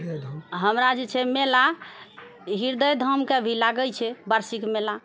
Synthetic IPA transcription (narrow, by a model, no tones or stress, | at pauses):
ɦəmɾad͡ʒt͡ʃʰɛmela | ɦiɾd̪əjd̪ʱəmkebʱilaɡəlt͡ʃʰɛbəɾsikmela